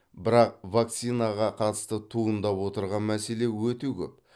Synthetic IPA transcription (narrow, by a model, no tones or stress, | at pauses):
bɪɾɑq̚vak̚t̪sijnaʁɑqʰɑt̪ə̥st̪ət̪ʰuənd̪ɑpwo̞t̪əɾʁɑnmæse̞le̞wɵt̪e̞kʲʰɵ̰p̚